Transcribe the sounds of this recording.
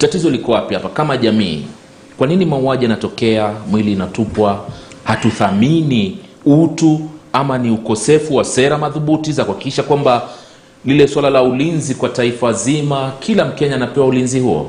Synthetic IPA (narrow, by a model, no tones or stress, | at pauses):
tatizɔlikɔwapihapakamaʄamḭː | kwaninimauaʄijanatɔkɛamwiliːnatupwahatuθamini | utuamaniukɔsɛfuwasɛɾamaðuɓutizakuhaki̥kiʃakwamba | lilɛswalalaulinzikwataifazimakʰilam̩kɛɲaːnapɛwaulinziɦuɔ̰